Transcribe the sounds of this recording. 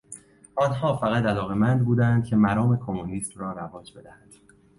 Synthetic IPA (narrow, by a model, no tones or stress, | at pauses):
ʔɒːnhɒːfæɣæt̪ælɒːɣe̞mænd̪̚buːd̪ænd̪̥̚cʰe̞mæɾɒːme̞kʰomuniːst̪rɒːɾævɒːd͡ʒbe̞d̪æhæd̪̥